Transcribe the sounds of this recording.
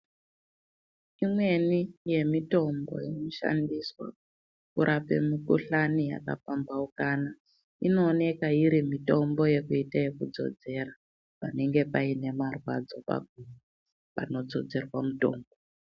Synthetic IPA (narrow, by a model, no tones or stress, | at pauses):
imwe̞nije̞mito̞mbo̞̰jinoʃa̰ndiswa̰ | kuɾʔape̞̰mukuɬanija̰ka̰pambaukana | ino̞ːne̞kaiɾimito̞mbo̞je̞kuitaje̞kud͡zo̞̰d͡ze̞ra | pane̞ŋɡe̞paine̞marwa̰d͡zo̞pa̰ɡʱumuu | pa̰no̞d͡zo̞d͡ze̞rwamuto̞̰ːmbo